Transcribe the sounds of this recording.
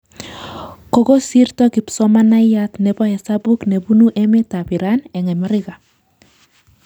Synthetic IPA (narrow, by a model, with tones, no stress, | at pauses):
ko˨ɡo˦si˦ɾtɔ˦ki˨psɔ˦ma˦na˦jja˦t̪nɛ˨bɔ˦hɛ˨sa˦bu˦kne˨bu˦nu˦ʔɛ˦me˦ta˨pi˨ɾa˦nɛ˨ŋɛ˨ma˦ɾɪ˦ɣa˨